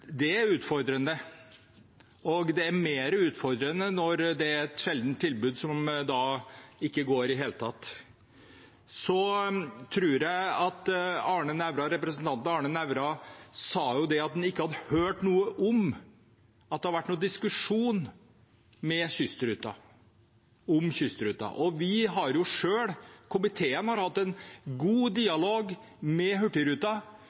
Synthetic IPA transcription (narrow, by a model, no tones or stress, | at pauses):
d̪ɛæɾʉːt̪fɔɾd̪ɾənə | ɔɡd̪ɛæɾmeːɾəʉːt̪fɔɾd̪ɾənənɔɾd̪ɛæɾɛt̪ʂɛld̪n̩t̪ʰːɪlbʉːd̪sɔmd̪ɑɪkːəɡoːɾɪɦeːlət̪ʰɑt̪ː | sɔt̪ʰɾuːɾjæɪɑt̪ɑːɳənæʋɾɑɾɛpɾəsənt̪ʰɑnt̪n̩ɑːɳənæʋɾɑsɑːjʊd̪ɛɑt̪̚d̪ɛnɪkːəhɑd̪əhøːʈnuːəʔɔm | ɑt̪̚d̪ɛhɑɾʋæʈːnuːd̪ɪskʉʂuːn | mɛçʏst̪əɾʉːt̪ɑ̰ | ɔmçʏst̪əɾʉːt̪ɑ̰ʔɔʋɪɦɑɾjʊʂøːɽkʰʊmɪt̪ʰeːənhɑɾhɑt̪ːɛnɡuːd̪iːɑloːɡ | mɛɦʉʈːɪɾʉːt̪ɑ